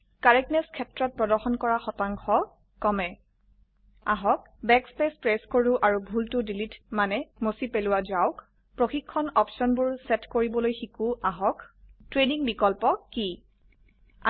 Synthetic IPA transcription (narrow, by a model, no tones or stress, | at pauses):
kaɹɛknɛskʰɛtɹɔt̚pɹɔdɔɹxɔnkɔɹaxɔtaŋkʰɔ | kɔmɛ | aɦɔk̚ | bɛkspespɹɛskoɹuʔaɹubʱultʊdilitmanɛmosipelʊwazaʊk | pɹoxikʰːɔnɔpsɔnbʊɹsɛtkoɹibɔlojxikuaɦɔktɹeniŋbikɔlpɔki | a